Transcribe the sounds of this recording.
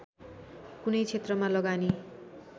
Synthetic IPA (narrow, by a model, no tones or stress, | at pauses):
kunʌjt͡sʰet̪rʌmalʌɡani